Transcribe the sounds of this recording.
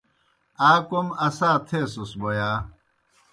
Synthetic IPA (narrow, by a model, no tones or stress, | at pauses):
aːkomɐsaːt̪ʰeːsusbojaː